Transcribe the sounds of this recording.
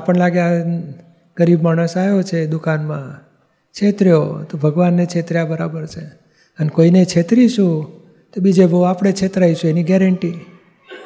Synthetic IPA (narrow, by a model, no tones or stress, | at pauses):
apəɳlaɡja | ɡ̥əɾibmaɽ̃əsajot͡ʃʰed̪ukanmã̰ | t͡ʃʰet̪ɾijo̰t̪obʱəɡʋanːet͡ʃʰet̪ɾjabəɾabəɾt͡ʃʰe | ənekoinet͡ʃʰet̪ɾiʃũ | t̪obid͡ʒeboapɽ̃et͡ʃʰet̪ɾaiʃueniɡɛɾəɳʈi